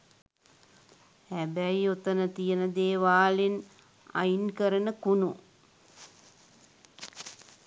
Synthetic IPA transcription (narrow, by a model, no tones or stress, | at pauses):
hæbæjiot̪ənət̪ijənəd̪eːʋaːlen | a̰inkəɾənəkunu